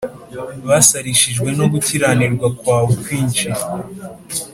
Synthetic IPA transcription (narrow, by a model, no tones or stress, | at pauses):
βasaɾiʃiʒɡwe̞no̞ɡutʰiɾaniɾɡwakwaːwukwiːɲt͡ʃi